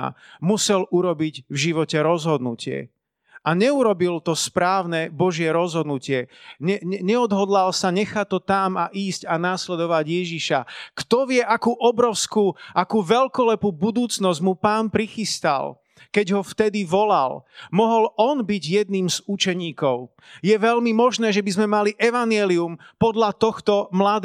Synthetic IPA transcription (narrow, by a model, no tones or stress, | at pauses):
musɛluɾɔbiɟvʒiʋɔcɛɾɔzɦɔd̪nucɪɛ̰ | aɲɛuɾɔbilt̪ɔspɾaːʊnɛbɔʒɪɛɾɔzɦɔd̪nucɪɛɲɛɛɲɛɔd̪ɦɔd̪lalsaɲɛxact̪ːɔt̪amaʔiːscanaːslɛd̪ɔʋaɟjɛʒiʃakt̪ɔʋɪɛʔakuːʔɔbɾɔʊskuːʔakuːʋɛlkɔlɛpuːbud̪uːt͡snɔzɟmupaːnpɾixist̪a̰l | kɛɟɦɔft̪ɛd̪iʋɔla̰lmɔɦɔlɔnbiɟjɛd̪̚niːmzut͡ʃɛɲiːkɔʊ | jɛʋɛlmimɔʒnɛːʒɛbizmɛmaliʔɛʋanɪɛliumpɔd̪ʎat̪ɔxt̪ɔmlad̪